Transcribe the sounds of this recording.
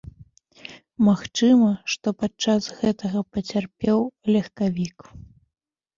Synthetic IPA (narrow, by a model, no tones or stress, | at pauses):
maxt͡ʂɨmɐʂt̪ɔpat͡ʂasɣɛt̪ɐɣɐpɐt͡sʲarpʲɛwlʲɐxkavʲik